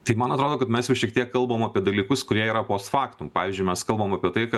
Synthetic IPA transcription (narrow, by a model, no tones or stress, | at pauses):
t̪ɐɪmɐnɐt̪ɾoːd̪oːkɐt̪mʲɛsjɛʊʃʲiɛk̚t̪iɛkːɐlˠboːmɐpʲiɛd̪ɐlʲiːkʊskʊɾʲiɛiːɾɐpoːst̪fɑːkt̪umpɑːʋʲɪzʲd͡ʒʲʊɪmɛskɐlˠbomɐpʲiɛt̪ɐɪkɐ